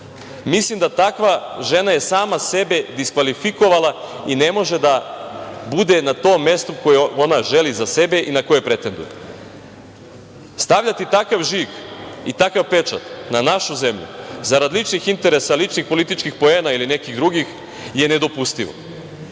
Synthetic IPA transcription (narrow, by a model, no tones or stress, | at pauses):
mislimd̪at̪akʋaʒe̞naje̞saːmase̞be̞d̪iskʋalifiko̞ʋalˠaine̞mo̞ʒed̪a | bud̪enat̪o̞ːmːe̞st̪uko̞jeo̞naʒe̞lizase̞be̞ʔinako̞jepɾe̞t̪e̞nd̪ṵje | st̪aʋʎat̪it̪akaʋʒikit̪akaʋpe̞t͡ʃa̰t̪nanaʃuze̞mʎṵzaɾad̪lit͡ʃnixint̪e̞ɾe̞salit͡ʃnixpo̞lit̪it͡ʃkixpo̞eːnailine̞kiɣd̪ɾuɡix | je̞ne̞d̪o̞pust̪iʋo̰